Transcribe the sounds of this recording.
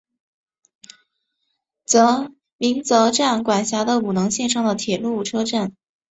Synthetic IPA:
t͡sɤ˧˥ | mi˧˥ŋt͡sɤ˧˥ʈ͡ʂa˥˩nkwa˨˩nɕja˧˥d̪ə˧u˨˩nɤ˧˥ŋɕjɛ˥˧nʂɑ˥˩ŋd̪ə˨t̪ʰjɛ˨˩lu˥˩ʈ͡ʂʰɤ˥ʈ͡ʂa˥˩n

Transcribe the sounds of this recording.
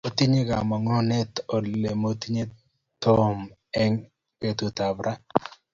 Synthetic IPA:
o˦t̪i˦ɲe˦ɡa˨mɔ˨ŋɔ˦ne˦to˨le˨mo˦t̪i˦ɲe˦ | t̪o˦m | ɛ˦ŋ | ke˦t̪u˨t̪a˨bɾa˦

